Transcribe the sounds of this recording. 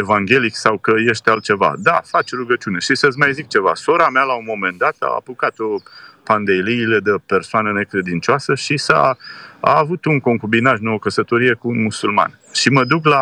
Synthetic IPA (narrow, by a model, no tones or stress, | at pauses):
evaŋɡʲe̞liksawkəje̞ʃt̪ealt̪̚t͡ʃe̞va̰d̪afat͡ʃɾuɡət͡ʃune̞ʃisət̪sʲmajzik̚t͡ʃe̞va̰so̞ɾamealaunmːo̞me̞nd̪at̪a̰a̰pukat̪opand̪ejliːle̞d̪əpe̞rsoanəne̞kɾe̞d̪int͡ʃoasəʃisa̰a̰ːvut̪uŋko̞ŋkubinaʒnookəsət̪o̞ɾije̞kuːnmusulma̰n | ʃiməd̪ukla